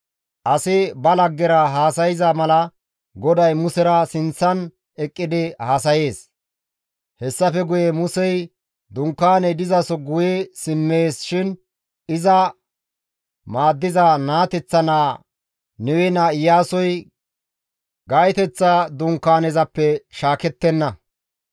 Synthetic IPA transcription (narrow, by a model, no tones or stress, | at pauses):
ʔɐsɪbɐlɐɡːɛɾɐɦaːsɐjɪzɐmɐlɐ | ɡɔd̪ɐjmʊsɛɾɐsɪnt͡sːɐn | ɛkʼːɪd̪ɪhaːsɐjeːs | hɛsːɐfɛɡʊjɛmʊsɛj | d̪ʊŋkːaːnɛd̪ɪzɐsɔɡʊjɛsɪmːeːsʃɪn | ɪzɐ | maːd̪ːɪzanaːt̪ɛt͡sːɐnaː | nɛwɛnaɪjːaːsɔj | ɡajt̪ɛt͡sːɐd̪ʊŋkːaːnɛzɐpːɛʃaːkɛt̪ːɛnːɐ